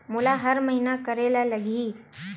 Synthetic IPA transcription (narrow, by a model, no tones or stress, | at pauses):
mulaɦəɾməɦinakəɾeːlaləɡʱiː